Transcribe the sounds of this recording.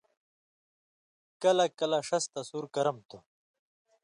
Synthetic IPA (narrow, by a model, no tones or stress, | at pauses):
kɐlakɐlaʂɐst̪ɐsuːɾkɐɾɐmt̪u